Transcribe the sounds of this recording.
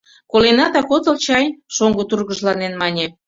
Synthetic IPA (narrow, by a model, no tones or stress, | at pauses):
kolenɑt̪ɑkot̪ə̆lt͡ɕɑjʃoŋɡot̪urɣə̆ʒlɑnenmɑnʲe